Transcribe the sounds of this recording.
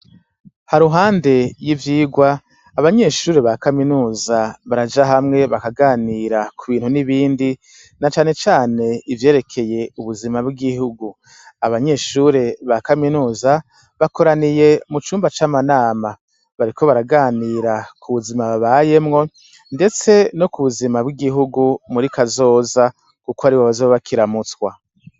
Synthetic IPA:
haɾuɦaːnde̞jivjiːɡwaː | βaɲe̞ʃuːɾeβakaminuːzaβaɾad͡ʒaɦamŋe̞βakaɡaːniɾakʰuβiːn̥huniβiːndi | nat͡ʃaːne̞t͡ʃaːne̞ivje̞ːɾe̞kʰe̞je̞uβuzimabɡiɡihuɡu | aβaɲe̞ːʃuːɾe̞βakaminuːza | βako̞ɾanije̞mut͡ʃuːmbat͡ʃamanaːma | βaɾikʰo̞βaɾaɡaːniɾakʰuβuzimaβaβaje̞mŋo̞ | nde̞t͡se̞no̞kuβuzimabɡiɡiɦuɡumuɾikazo̞ːza | kukoaɾiβoβazoβakiɾamut͡swa

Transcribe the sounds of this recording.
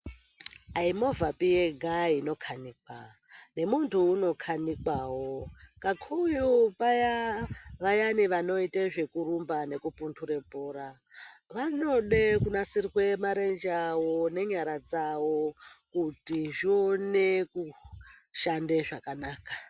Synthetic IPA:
aimo̞vapijeɡʱaino̞kʰaniːka | ne̞muntʰuːno̞kʰanikawo̞kakʰujupajaʋajaniʋano̞iteʐe̞kurumbane̞kupuntʰuɾe̞poːɾa | ʋano̞ɗekunasirwe̞maɾend͡ʒawone̞ɲaɾad͡zawo̞kutiʐione̞ku | ʃandeʐakanaːkḁ

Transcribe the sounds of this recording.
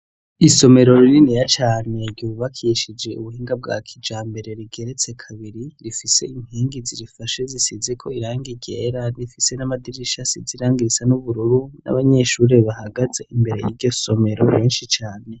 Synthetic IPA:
iso̞me̞ɾo̞ɾiɾinijat͡ʃaːne̞ɾɟuːβakʰiʃid͡ʒe̞uβuhiːŋɡab̚ɡa̰kʰid͡ʒaːmbe̞ɾe̞ɾiɡe̞ɾe̞t͡se̞kʰaβiɾiɾifise̞iŋ̥hiːŋɡiziɾifaʃezisizekʰo̞iɾaːŋɡiɟeɾanifise̞namadiɾiʃasiziɾaːŋɡiɾisanuβuɾuɾuna̰βaɲeʃuːɾe̞βahaɡaze̞ʔimbe̞ɾe̞jḭɾɟo̞so̞me̞ɾo̰βeːnʃit͡ʃaːne̞

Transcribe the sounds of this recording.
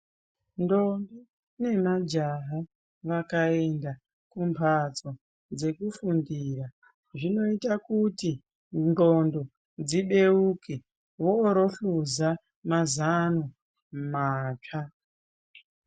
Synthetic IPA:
ndombi | ne̞mad͡ʒaɦa | ʋakae̞nda | kumpʰat͡so̞ | d͡ze̞kufundiːra | ʐino̞itakuti | ndondo̞ | d͡ziɓe̞uke | ʋoɾo̞ɬuza | mazano | maːt͡ʂa

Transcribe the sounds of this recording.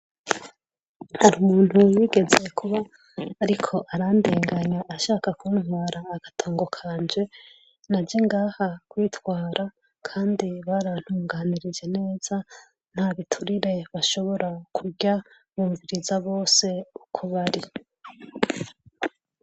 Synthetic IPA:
haɾumuːn̥huwiɡe̞ze̞kʰuβaː | ɾikʰo̞ʔaɾandeːŋɡaɲaːʃaːkakunwaːɾaːɡ̥atʰo̞ːŋɡo̞kʰaːnd͡ʒe̞ | nad͡ʒeŋɡaːhakwiːtwaːɾʔa | kʰaːndiβaɾan̥huːŋɡaːniɾid͡ʒe̞ne̞ːz̥a | n̥haβitʰuɾiɾe̞βaʃo̞βo̞ɾakʰuɡɟa | βuːɱviɾizaβo̞ːse̞ukʰuβaɾi

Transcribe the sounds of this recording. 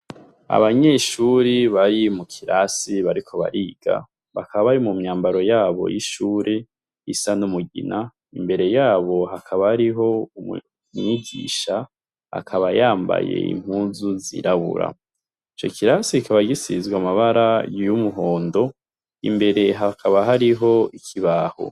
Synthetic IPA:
a̰βaɲe̞ʃuɾiβaɾimukʰiɾasiβaɾikʰo̞βa̰ɾiːɡ̥a̰ | βakʰaβaβaɾimumɲaːmbaɾo̞jaːβo̞̰jiʃuːɾʔe | isanumuɡina | imbe̞ɾe̞jaːβo̞ɦakʰaβaɾiɦo̞u | mɲiɡḭʃa | a̰kʰaβajaːmba̰je̞̰ḭm̥huːnzuzḭɾaβṵɾa̰ | it͡ʃo̞kʰiɾasikʰaβaɡisizɡwamaβaɾajjumuɦo̞ːndo̞ | imbe̞ɾe̞ɦakʰaβaɦaɾiɦo̞ikʰiβaːho̰

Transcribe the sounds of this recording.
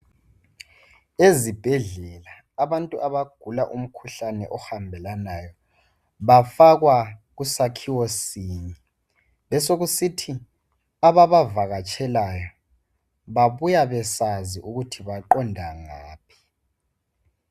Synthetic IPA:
ezib̥ʱɛɮɛlaː | βantʼuʔaβaɡ̥ʱulaʔum̩kʰuɬanɛʔɔhambʱɛlanajɔ | βafaɣwaɣusakʰiwosiːɲɛ | βɛsoɣusitʰi | aβaβavaɣat͡ʃʰʼɛlajɔ | βaβujaβɛsaziʔuɣutʰiβaǃɔndʱaŋaːpʰi̥

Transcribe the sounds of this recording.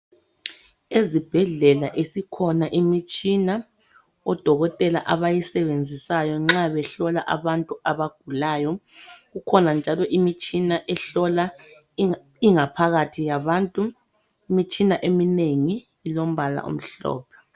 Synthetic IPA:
ezib̥ʱɛɮɛlaʔesikʰɔnaʔimit͡ʃʼina | ɔd̥ʱɔɣɔtʼɛla̰ʔaβajisɛβend͡zʱisajɔŋ͡ǁaβɛɬɔlaʔa̰βantʼuaβaɡ̥ʱulaːjɔɣukʰɔnand͡ʒʱalɔʔimit͡ʃʼinaʔɛɬɔla | iŋapʰaɣatʰijaβaːntʼu | imit͡ʃʼinaʔemineŋiː | lom̩βala̰ʔṵm̩ɬɔ̰ːpʰɛ̥

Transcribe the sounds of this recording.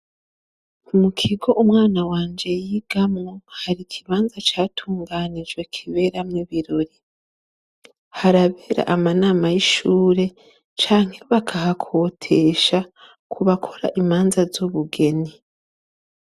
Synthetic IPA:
umukʰiɡo̞ʔumŋaːnawaːnd͡ʒe̞jiːɡ̥amŋohaɾikʰiβaːnzat͡ʃaːtʰuːŋɡaːnid͡ʒɡwe̞kʰiβe̞ːɾamɲiβiɾo̞ɾi | haɾaβe̞ːɾa̰ʔamanaːmajiʃuːɾe̞ | t͡ʃaːŋhe̞βakʰahakʰo̞ːtʰe̞ʃa | kʰuβakʰo̞ɾa̰ʔimaːnzazuβuɡe̞ni

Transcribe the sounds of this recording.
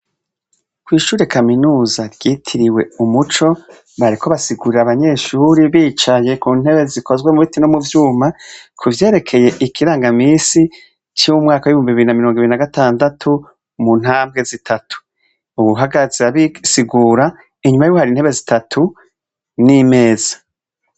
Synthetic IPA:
kwiːʃuːɾe̞kʰaminuːzaɾɟ̥iːtʰiɾiwe̞umut͡ʃo̞ | βaɾikʰo̞βasiɡuɾiɾaβaɲe̞ːʃuːɾiβiːt͡ʃaje̞kun̥he̞βe̞zikʰo̞zɡwe̞muitino̞muvjuːmakʰuvje̞ːɾe̞kʰe̞je̞ʔikʰiɾaːŋɡamiːsi | t͡ʃimumŋaːkawiβihuːmbiβiɾinamiɾoŋɡiɾinaɡataːndatʰu | mun̥haːmbɡe̞zitʰatʰu̥ | uβuɦaɡazeaβisiɡuːɾa | iɲumajuwohaɾiːnhe̞βe̞zitatʰu | nime̞ːzḁ

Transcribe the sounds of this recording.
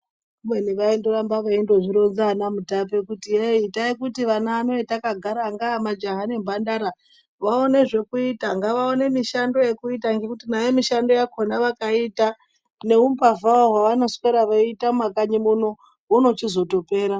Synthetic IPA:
mweniʋaindoɾambaʋaendo̞ʐiɾo̞nzanamutapekutieitaekutiʋanaːno̞itakaɡʱaɾaŋɡamad͡ʒaɦanembandaɾa | ʋaone̞ʐe̞kuitaŋɡaʋaone̞miʃando̞je̞kuitaŋɡe̞kutinajemiʃando̞jakʰonaʋakaita | ne̞umpavaoɦwaʋano̞skeɾaʋaitamakaɲimuno̞ | ɦuno̞t͡ʃizo̞to̞pe̞ːɾa

